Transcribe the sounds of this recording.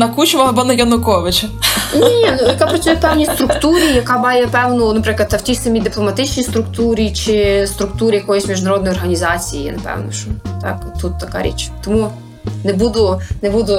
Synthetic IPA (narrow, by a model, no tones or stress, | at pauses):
nɐkut͡ʃʋɐɐbɔnɐjɐnʊkɔʋɪt͡ʃɐnʲinʲinujɐkapɾɐt͡ʃ̪ʲujɛpɛwnʲist̪ɾʊkst̪uɾʲijɐkɑbɑjɛpɛwnʊnɐpɾɪklˠɐd̪ɐwtʲisɐmʲid̪ɪplˠɔmɐt̪ɪt͡ʃnʲist̪ɾʊkt̪uɾʲit͡ʃɪst̪ɾʊkt̪uɾʲijɐkɔjɔsʲmʲiʒnɐɾɔd̪nɔjɔrɦɐnʲizɑt͡sʲijḭnɐpɛ̰wnɔʃɔt̪ɑ̰kt̪ːut̪ːɐkɑ̰ɾʲḭt͡ʃt̪ɔmu | nɛbud̪ʊnɛbud̪ʊ